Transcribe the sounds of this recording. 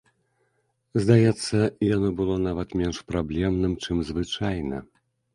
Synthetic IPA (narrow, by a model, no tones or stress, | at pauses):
zd̪ajɛt̪sːɐijanɔbɨlˠɔnavɐt̪mʲɛnʂpɾablʲɛmnɨmt͡ʂɨmzvɨt͡ʂajnɐ̰